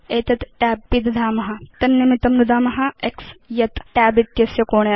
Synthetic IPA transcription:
eːt̪ɐt̪ʈaːbːid̪d̪ʱaːmɐɦɐ̆t̪ɐnːimit̪ɐmnud̪aːmɐɦɐeksjɐt̪ʈaːbit̪jɐsjɐkoːɳ

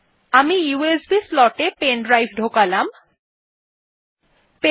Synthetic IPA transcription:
amijuesbislɔʈepenɖɾajfʰɖʱokalam | pe

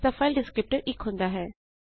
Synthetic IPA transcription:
t̪afaɪlɖɪskɾɪp̚ʈəɾʔɪkɦõːnd̪aɦɛː

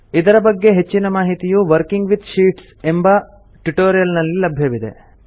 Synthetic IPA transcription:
id̪ɐɾɐbɐɡːe̞ɦe̞t͡ʃːinɐmaːɦit̪ijuʋɐɾkiŋɡʋid̪ʃiːʈs | embɐ | ʈuʈoːɾijɐlnɐlːilɐbʱjɐʋid̪e̞̰

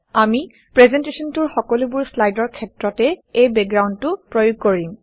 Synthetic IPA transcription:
ami | pɹɛzɛntesɔntuɹxɔkɔlubuɹslajdɔɹkʰɛtɹɔtɛejbɛk̚ɡɹawndtʊpɹojoɡ̚koɹim

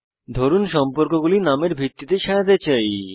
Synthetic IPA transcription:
d̪ʱoɾunʃɔmpoɾkoɡulinameɾbʱit̪ːit̪eʃaat̪et͡ɕaj

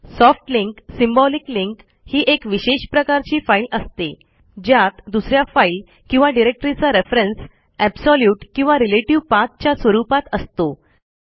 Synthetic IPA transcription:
sɔfʈliŋksimbɔlikliŋk | hiːʔekʋiɕeɕpɾəkaɾt͡ɕiːfailəst̪e | d͡ʑjat̪d̪usɾjafail | kĩw̃ʋaɖiɾek̚ʈɾit͡saɾefɾens | ɛbsɔljuːʈkĩw̃ʋaɾileʈiʋpat̪̚t͡ɕjasʋəɾupat̪əst̪o

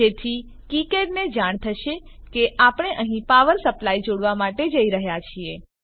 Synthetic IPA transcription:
et̪ʰi | kikeɖned͡ʒaɳ̃t̪ʰəʃe | keʔapəɽ̃eʔəɦĩpaʋəɾsəplaid͡ʒoɽʋamaʈed͡ʒəiɾəɦjat͡ʃʰie

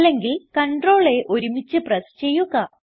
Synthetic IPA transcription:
lːe̞ŋɡilkɐɳɖro̞ːɭe̞ʔo̞ɾumit͡ɕːɨprɐst͡ɕe̞jːuɣɐ

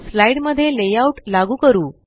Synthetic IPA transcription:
slaiɽməd̪ʱjelejauʈlaɡuːkəɾuː

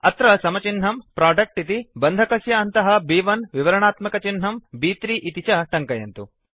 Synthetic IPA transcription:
ɐt̪ɾɐsɐmɐt͡ʃinɦɐmpɾaːɖɐk̚ʈit̪ibɐnd̪ʱɐkɐsjɐːnt̪ɐɦɐbiːʋɐnʋiʋɐɾɐɳaːt̪mɐkɐt͡ʃinɦɐmbiːt̪ɾiʔit̪it͡ʃɐʈɐŋkɐjɐnt̪u

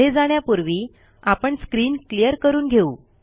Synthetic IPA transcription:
ed͡zaɳjapuɾʋiː | apəɳskɾiːnklijəɾkəɾuːnɡʱeuː

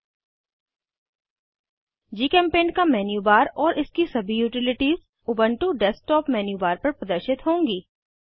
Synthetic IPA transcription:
d͡ʒiːkɛ̃ːmpẽːnkamɛːnjuːbaːɾɔːɾʔɪskisɐbʱijuːʈɪlɪʈiːz | ʊbə̃ɳʈuɖɛsʈɔːpmɛːnjuːbaːɾpɐɾpɾɐd̪əɾʃɪt̪ɦõːŋɡiː

